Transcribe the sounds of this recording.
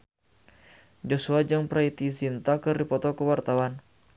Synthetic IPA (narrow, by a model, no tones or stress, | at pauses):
d͡ʒɔsuad͡ʒaŋpɾait̪isint̪akɨrdipɔt̪ɔkəwart̪awan